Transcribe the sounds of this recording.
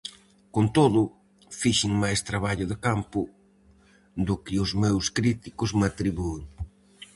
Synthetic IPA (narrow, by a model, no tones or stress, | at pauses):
kont̪oðʊ | fiʃɪŋmajst̪ɾaβaʎʊðɪkampʊ | ðʊkɪʊzmewskɾit̪ikʊzmat̪ɾiβueŋ